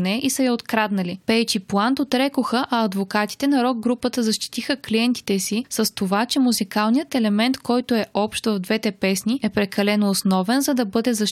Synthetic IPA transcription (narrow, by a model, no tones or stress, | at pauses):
nɛʔisɐjɐot̪kɾad̪nɐlipɛjt͡ʃiplˠant̪ot̪ɾɛkoxəʔɐɐd̪vokat̪i̥t̪ɛnɐɾɔɡ̚ɡɾupət̪əzɐʃt̪i̥t̪ixəkliɛnt̪i̥t̪ɛsisɐst̪ovat͡ʃɛmuzikalˠnijət̪ɛlɛmɛnt̪kɔjt̪oɛʔɔpʃt̪vɐvd̪vɛt̪ɛpɛsniɛpɾɛkɐlɛnoːsnɔvɛnzɐd̪ɐbɤd̪ɛzɐʃ